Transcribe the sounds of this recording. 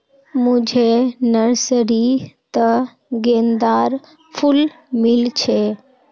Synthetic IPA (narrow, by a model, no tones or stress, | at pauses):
mʊ̃d͡ʑʱenəɾsəɾit̪ɐ | ɡeːnd̪aːɾ | fʰʊl | mɪlt͡ʃʰeː